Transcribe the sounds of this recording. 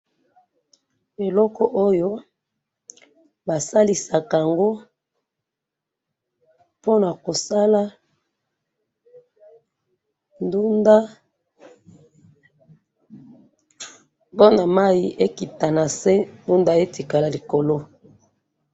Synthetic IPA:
e˨lɔ˦kɔ˨ʔo˦jo˦ | ba˨sa˦li˨sa˨ka˨ŋɡo˦ | po˦na˨ko˨sa˦la˦ | ndu˦nda˦ | bo˦na˨ma˦ji˦ʔe˦ki˨ta˨na˨se˦ndu˦nda˦e˦ti˨ka˨la˨li˨ko˨lo˦

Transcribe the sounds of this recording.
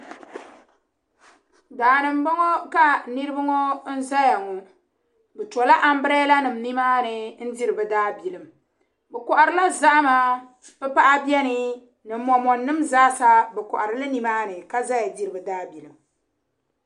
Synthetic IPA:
daː˨nɨ˨m˦bɔ˦ŋɔ˦ka˦nɨ˦ɾɨ˦bɨ˦ŋɔ˦n̩˦za˦ja˨ŋɔ˨ | bɛ˨tɔ˨la˦ʔa˨m˦bɨ˦ɾɛ˦la˦nɨ˨m̩˨ni˦maː˦nɨ˨n̩˦di˦ɾɨ˨bɨ˨daː˦bi˨lɨ˨m˨ | bɛ˨kɔ˨ʔa˨ɾɨ˦la˦za˦ʔmaː˦ | pɛ˦pa˦ʔa˦bjɛ˦nɨ˦ | nɨ˨mː˨˦ɔ˨mɔ˨nːɨ˦mzaː˦sa˦bɛ˨kɔ̰˨ʔa˨ɾɨ˦lɨ˦ni˨maː˦nɨ˨ka˦za˦ja˨di˦ɾɨ˨bɨ˨daː˦bi˨lɨ˨m

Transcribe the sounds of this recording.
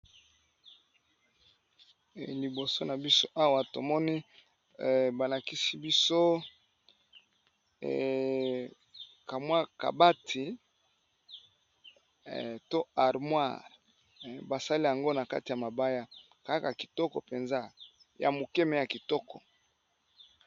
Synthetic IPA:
li˨bo˨so˦na˨bi˦so˦ʔa˦wa˨to˨mɔ˦ni˦˨ | ba˨la˨ki˦si˦bi˦so˦˨ | ka˨mwa˦ka̰˨ba˦tʰi˨ | to˦a˨ʁmwa˦˨ʁ | ba˨sa˦li˦ja˨ŋɡo˦na˨ka̰˦ti˨ja˨ma˨ba˦ja˦ | ka˦ka˨ki̥˨tɔ˦kɔ̰˨pe˨nza˦ | ja̰˨mu˨kɛ˦me˨ja˨ki˨tɔ˦kɔ˨

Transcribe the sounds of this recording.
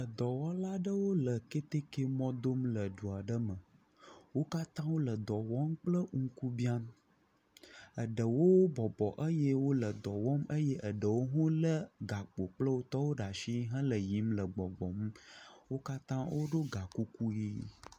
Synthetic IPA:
ə˨d̪ɔ˨wɔ˦la˦ɖə˦wo˦lə˨ke˦t̪e˦ke˦mɔ̃˦d̪o˦mlə˨ɖu˨a˨ɖə˦mə̃˨ | wo˦ka˦t̪ã˦wo˦lə˨d̪ɔ˨wɔ˦mk͡plə˦ŋ̩˦ku˦bi˦a˦m | ə˨ɖə˨wo˦wbɔ˨bɔ˨ʔə˦je˦wo˦lə˨d̪ɔ˨wɔ˦mə˦je˦ʔə˨ɖə˨wo˦ɦõ˦lə˦ɡa˨k͡po˨k͡plə˦wo˦t̪ɔ˦wo˦ɖa˨ʃi˦ɦə̃˦lə˨ji˨˦mlə˨ɡ͡bɔ˨ɡ͡bɔ˨m̩˦wo˦ka˦t̪ã˦wʔo˦ɖo˦ɡa˨ku˦ku˦ji˦

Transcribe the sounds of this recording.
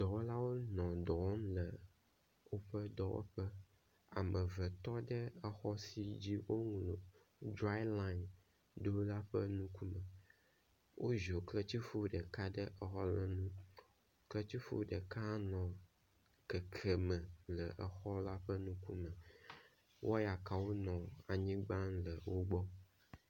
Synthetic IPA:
d̪̥ɔ˨wo˦la˦wo˦nɔ̃˨d̪ɔ˨wm˦lə˨ | wo˦ɸə˦d̪ɔ˨wo̰˦ɸə˦ | a̰˨mə̃˨və˨t̪ɔ˦ɖə˦ɛ˨xɔ˦si˨d͡ʑi˦wo˦ŋũ˨lo˨ | dɾa˦la˦˨n | ɖo˦la˦ɸə˦nũ˦ku˦mə̃˨ | wʔo˦ʒo˨klə˦t͡ɕi˦fo˦ɖə˨ka˦ɖə˦ʔə˨xɔ˦lə˨nũ˦ | klə˦t͡ɕi˦fo̰˦ɖə˨ka˦nɔ̃˨ | kɛ˨kʰə˨mə̃˨lə˨ʔə˨xɔ˦la˦ɸə˦nũ˦ku˦mə̃˨ | wʔɔ˦ja˨ka˨wo˦nɔ̃˨a˨ɲĩ˦ɡ͡ba˦nlə˨wo˦ɡ͡bɔ˦

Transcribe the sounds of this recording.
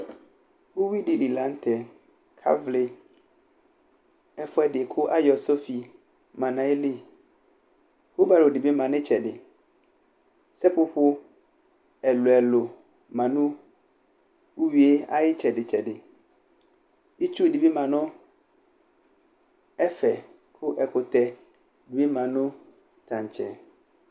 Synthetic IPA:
wo˦wi˦di˨li˨la˨˦n̩˦t̪ʰɛ˨ | kʰa̰˦vlɪ˨ | ɛ˦fʊ˦ɛ˦dɪ˨kʰʊ˦ʔa˦jɔ˨so˦fi˨ | mã˨nã˨e˦li˦ | ho˦ba˨lo˨di˨bi˦mã˨nɪ̃˦t͡ʃʰɛ˨dɪ˨ | sɛ˦pʊ˦ɸʊ˦ | ɛ˨lʊ˨ɛ˨lʊ˨ | mã˨nũ˦ | u˦ɥi˨e˦a̰˦jɪ˦t͡ɕʰɛ˨dɪ˨t͡ɕʰɛ˨dɪ˨ | i˦t͡ʃʰu˦˨di˨bi˦mã˨nʊ̃˦ | ɛ˦fɛ˨ | kʰʊ˦ʔɛ˨kʰʊ˨t̪ʰɛ˨ | di˨bi˦mã˨nʊ̃˦ | t̪ʰã˨ɲ˨t͡ɕʰɛ˨

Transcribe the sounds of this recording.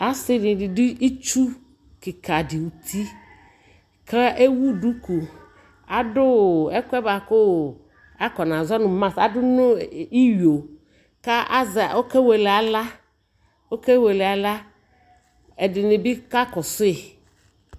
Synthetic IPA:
a˦sɪ˦nɪ˨dɪ˨dɪ˦i˦t͡ʃu˦ | kɪ˨ka˨dɪ˨wu˨t̪ʰi˦ | kʰa˦ʔe˦wu˦du˦ku˨ | a˨dʊ˦˨ɛ˦kʷɛ˦ba˨kʊ˦˨ | a˦kɔ˨nã˨zɔ˦nʊ̃˨mã˦˨sa˨dʊ˦nʊ̃˦i˦ɥo˨ | ka˦ʔa˦za˨o˦ke˦we˨lɛ˨a˨la˦ | o˦ke˦we˨lɛ˨a˨la˦ | ɛ˨dɪ˨nɪ̃˨bɪ˦ka˦kɔ˨sʊ˦e˨

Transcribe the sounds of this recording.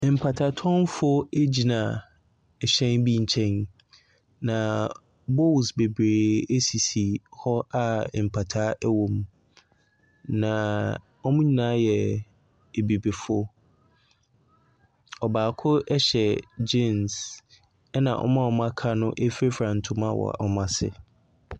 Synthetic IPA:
m̩˨pʰa˨tʰa˨tʰɔ̃˦n˦fɔ˦e˦d͡ʑi˨nã˨ | ɛ˨ɕɛ̃˦nbi˦ɲ̩˨t͡ɕʰɛ̃˦n | nã˨ | bo˦˨lsbe˨bɾeː˨e˦si˨si˨hɔ˦a˦˨m̩˨pʰa˨tʰaː˦ɛ˦wõ˨m | nã˨ | ɔ˦mʊ̃˦ɲĩ˦nã˨˦jɛ˨ | e˨bi˨be˨fʊ˦ | ɔ˨baː˨kʰʊ˦ɛ˦ɕɛ˨d͡ʑẽ˦˨ns | ɛ˦nã̰˨ʔɔ̰˦mã˦ɔ˨m˦a˦kʰa˦nʊ̃˦ʔe˦fe˦fɾã˨n̩˨tʰʊ˦mã˦˨wɔ̰˨a̰˨ʔɔ˦mã˨sɪ̰˦

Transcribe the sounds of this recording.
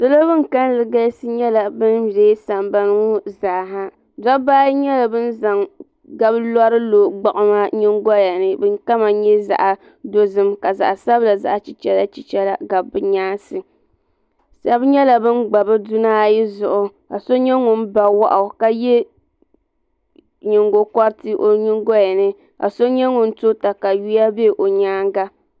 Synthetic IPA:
sɨ˦lo˦bɨ˦ŋ˨ka˦n˦lɨ˨ɡa˦sɨ˦ɲɛ˦la˨bɨ˦nbe˨˦sa˨mba˦nɨ˦ŋʊ˦zaː˨ɦa˦ | da˦baː˦jɲɛ˦la˨bɨ˦n˦za˨ŋ | ɡa˦blɔ˦ɾɨ˦loː˨ɡ͡ba˨ʔʊ˨maː˦ɲɪ˦ŋ˦ɡɔ˦ja˨nɨ˦bɨ˦ŋka˦ma˨ɲɛ˦za̰˨ʔa˨ | do˦zɨ˦mka˨za̰˨ʔa˨sa˦bla˨za̰˦ʔa˨t͡ʃi˨t͡ʃɛ˦la˦t͡ʃi˨t͡ʃɛ˦la˨ɡa˨bɨ˦ɲaː˦nsɨ˨ | sa˦bɲɛ˦la˨bɨ˦nɡ͡ba˨bɨ˦du˦naː˦˨ji˦zʊ˨ʔʊ˨ | a˨so˦ɲɛ˦ŋʊ˨n˦ba˨wa˦ʔa˨ka˦jɛ˦ | ɲɪ˨ŋɡo˨kɔ˦ɾtɨ˦ʔo˨ɲɪ˦ŋɡo˦ja˨nɨ˦ | ka̰˨so˦ɲɛ˦ŋʊ˨n̩˦to˦ta˨ka˨ju˦ja˦be˦˨ʔo˨ɲaː˦ŋ˦ɡa˦

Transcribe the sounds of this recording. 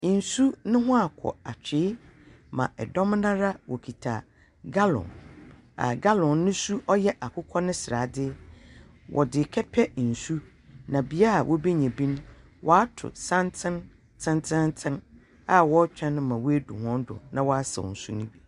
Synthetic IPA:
n̩˨su˦nʊ̃˦ɦʊ̃˦a˨kʰɔ̰˨a˨t͡ɕᶣɪ˨˦ | mã̰˨ʔɛ˨dɔ˦m˦nã˦ɾa˦wɔ˨kʰi˨tʰa˨ | ɡa˦lɔ̰̃˨n | a̰˨ɡa˦lɔ̃˨nːʊ̃˦su˦ʔɔ˦jɛ˦ʔa˨kʰʊ˦kʰɔ˦nɪ̃˦sɪ˨ɾa˨dɪ˦ | wʔɔ̰˨dɪ˨kʰɛ˦pʰɛ˦n̩˨su˦ | nã˨bi˨a˦a˨wʔɔ˦be˦ɲɛ̃˨bĩ˦ñ˦ | wʔɔ˨a˦tʰʊ̰˨sã˦ntʰɪ̃˦n | tʰɪ̃˦n˦tʰɪ̃˦ntʰɪ̃˦n | a˨wɔ˦t͡ɕᶣɛ̃˦nʊ̃˦mã˨wɔ˦æ˦dṵ˨hɔ̃˦n˦dʊ̰˨nã˨wɔ˦a˦sɛ̰˨ɔ̰˨n̩˨su˦nʊ̃˦bi˨

